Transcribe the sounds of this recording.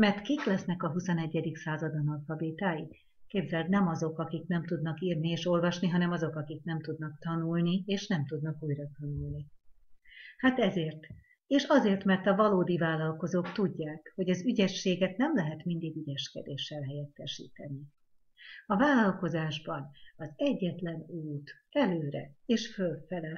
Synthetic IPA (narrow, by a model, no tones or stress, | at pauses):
mɛrt̪kiklɛsnɛkɒɦusonɛɟːɛd̪iksaːzɒd̪ɒnɒlfɒbit̪aːji | keːbzɛlt̪nɛmɒzo̞kɒkiknɛmt̪ud̪nɒkiːrnieːʃo̞lvɒʃniɦɒnɛmɒzo̞kɒkik̚nɛmt̪ud̪nɒk̚t̪ɒnulnieːʃnɛmt̪ud̪nɒkuːjrɒt̪ɒnulni | hat̪ɛzeːrt̪ | eːʃɒzeːrt̪mɛrt̪ɒvɒloːd̪ivaːlːɒlko̞zoːkt̪uɟːaːkho̞ɟɒzyɟɛʃːeːɡɛt̪nɛmlɛɦɛt̪mind̪iɡyɟɛʃkɛ̰d̪eːʃːɛlɦɛjɛt̪ːɛʃḭːt̪ɛni | ɒvaːlɒlko̞zaːʒbɒnɒzɛɟːɛt̪lɛnuːt̪ɛløːɾɛeːʃfølfɛlɛ